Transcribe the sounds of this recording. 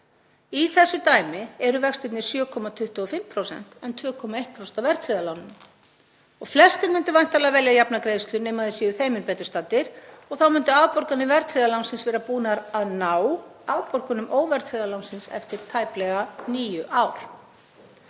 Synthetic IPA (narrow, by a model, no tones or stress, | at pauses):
iθɛsːʏt̪aːjmɪɛɾʏvɛkst̪ɪt̪nɪsjœːkʰɔmat̪ʰʏht̪uɔfɪmpʰɾowsɛ̰n̥t̪ɛnt̪ʰvœːkʰɔmaeht̪̚pʰɾosɛnt̪awvɛɾ̥t̪ʰɾiðalawnʏm | ɔɣflɛst̪ɪɾmʏnt̪ʏvajnt̪alavɛljajapnakɾejðst̪lʏneːjmaðɪsiːðʏθejmɪnpɛːt̪ʏɾ̥st̪aːt̪ɪɾ̥ɔɣθawmʏnt̪ʏawpɔɾkanɪvɛɾt̪ʰɾiðalawnsɪnsvɛːɾapuːnaɾaðnaːwawpɔr̥kʏnʏmʔoːwvɛɾ̥t̪ʰɾiðalawnsɪnsɛ̰ft̪ɪɾ̥t̪ʰaːjplɛɣaniːjʏʔaːwɾ̥